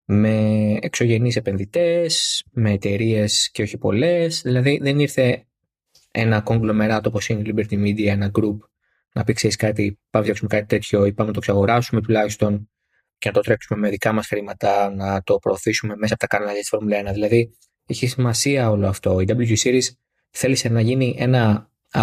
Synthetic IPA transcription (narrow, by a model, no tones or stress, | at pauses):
me̞ːkso̞ʝe̞nise̞pe̞nðit̪e̞sme̞ːt̪e̞ɾie̞sce̞o̞çipo̞le̞sðilɐðiðe̞niɾθe̞ | ḛnɐko̞ŋɡlo̞me̞ɾɐt̪opo̞sinilibeɾt̪imid̪iɐe̞nɐɡɾup | nɐpikseɾiskɐt̪ipɐmeksumekɐt̪i̥t̪e̞t̪ço̞ipɐmenɐt̪o̞ksɐɣo̞ɾɐsume̞t̪ulɐçist̪o̞n | ce̞nɐt̪ot̪ɾe̞ksume̞me̞ðikɐmɐsxɾimɐt̪ɐnɐt̪o̞pɾo̞ːθisume̞mes̬ɐpot̪ɐkɐnɐlɐjɐsi̥foɾmulɐenɐðilɐði | içisimɐsiɐo̞loɐft̪o̞id̪ɐbljut̪isiɾis | θe̞lise̞nɐʝiniʔe̞nɐ